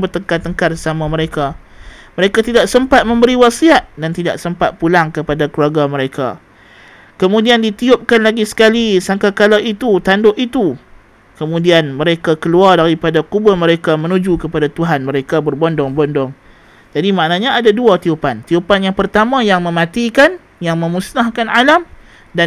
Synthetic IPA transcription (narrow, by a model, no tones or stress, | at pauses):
bərt̪əŋkat̪əŋkarəsamãməɾeka | məɾekat̪idaksəmpat̪̚mə̃mbəɾiwasiat̪̚dant̪ida̰ʔsəmpat̪̚pulaŋkəpadakluaɡaməɾeka̰ | kəmũdiandit̪iʊp̚kanlaɡisə̥kalisaŋkakalait̪ut̪andʊʔit̪u | kəmũdianmə̃ɾekakəluardaɾipadakubʊrmə̃ɾekamə̃nud͡ʒukəpadat̪uɦanmə̃ɾekabərbɔndɔŋbɔndɔŋ | d͡ʒadimaʔnaɲaadaduat̪iupant̪iupanjaŋpərt̪amãjaŋmə̃mãt̪ikan | jaŋmə̃musnahkanalam | da